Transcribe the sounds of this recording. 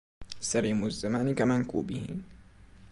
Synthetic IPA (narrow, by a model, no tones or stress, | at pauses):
saɾiːmʊzːamaːnkamankṵːbɪhḭ